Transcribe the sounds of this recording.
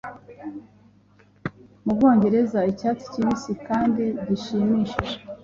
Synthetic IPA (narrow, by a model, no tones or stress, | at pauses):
mub̚ɡo̞ːɲɟe̞ɾe̞zaicaːt͡si̥cimisikaːndidiʃiːmiːʃeʒe